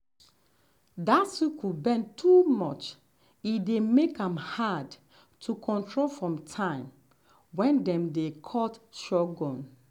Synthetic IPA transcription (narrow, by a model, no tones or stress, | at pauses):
datsikʰubɛ̃ntʰumɔt͡ʃ | idemekãmhad | tʰukʰɔ̃ntɹolfɹɔ̃mtʰãɪ̃m | wɛ̃ndɛ̃mdekʰɔtʃɔɡɔ̃n